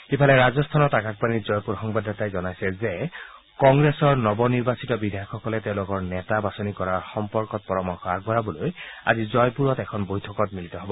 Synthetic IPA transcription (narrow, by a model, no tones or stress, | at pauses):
kipʰalɛɹazɔstʰanɔtakak̚panizɔjpuɹxɔŋbadatajzɔnajsɛze | kɔŋɡɹesɔɹnɔbɔniɹbasitɔbidʱajɔkʰɔkɔlɛtɛʊ̃lʊkɔɹnɛtabasɔnikɔɹaɹxɔmpɔɹkɔt̚pɔɹɔmɔxabɔɹabɔloja̰zizɔjpuɹɔtɛkʰɔnbojtʰɔkɔtmilitɔɦɔbɔ